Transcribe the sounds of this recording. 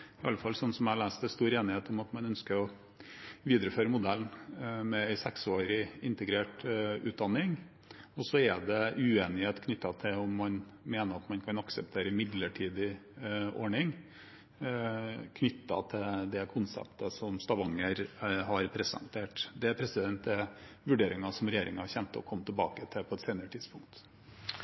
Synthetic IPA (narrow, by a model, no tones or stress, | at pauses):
ɪɑlːəfɑlsɔnːsɔmæɪɑlæːst̪ɛst̪uːɾeːnɪheːt̪ɔmɑt̪mɑnœnskəɾɔ | ʋiːd̪əɾəføːɾəmʊd̪ælnmɛæɪsɛksoːɾɪɪnt̪əɡɾeːʈʉːt̪̚d̪ɑnːɪŋ | ɔsɔɛd̪ɛʉeːnɪheːt̪kʰnʏt̪ːɑt̪ʰɪɔmːɑnmeːnəɾɑt̪mɑnkʰɑnɑksəp̚t̪ʰeːɾəmɪd̪ləʈʰiːd̪ɪʔo̰ːɳɪŋ | kʰnʏt̪ːɑ̰t̪ʰɪd̪ɛkʰʊnsɛ̰pt̪əsɔmst̪ɑʋɑŋːəɾɦɑɾpʰɾɛsɛ̰nt̪ʰeːʈd̪ɛæɾpʰɾɛsɪd̪ɛnt̪̚d̪ɛʋʉɖeːɾɪŋɑsɔmɾɛjeːɾʔɪ̰ŋhɑɾçɛnt̪əɔ̰kʰɔmːət̪ʰɛlbɑ̰ːkət̪ʰɪpʰɔɛt̪seːnəɾət̪ʰɪd̪spʊŋk̚t̪